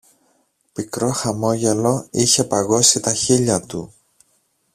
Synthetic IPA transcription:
pikɾo̞xɐmo̞ʝe̞lo̞içe̞pɐɣo̞sit̪ɐçiʎɐt̪ṵ

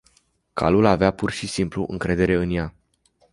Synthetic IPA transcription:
kʰa̰lulaveapurʃisimpluʔɨ̰ŋkɾe̞d̪e̞ɾe̞ɨnja

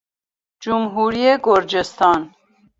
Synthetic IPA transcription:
d͡ʒumɦuɾiɛɡɔɾd͡ʒɛst̪ʰɑn

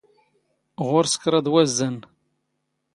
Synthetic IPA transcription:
ʁʊɾsə̥kːɾˤɑd̪ˤwæzːən

